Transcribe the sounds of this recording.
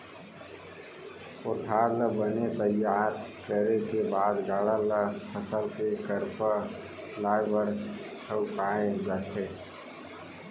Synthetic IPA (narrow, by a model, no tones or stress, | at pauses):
ʊʈʰaːɾləbənet̪əjaːɾkəɾekebaːd̪ɡaːɽaləpʰəsəlkekəɾpə | laːjbəɾ | ʈʰəʊkaːẽd͡ʒaːt̪ʰeː